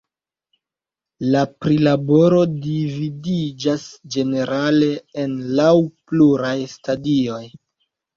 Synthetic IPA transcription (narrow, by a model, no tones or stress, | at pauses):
lapɾilabo̞ɾo̞dividid͡ʒasd͡ʒe̞ne̞ɾale̞enlawpluɾajstadio̞j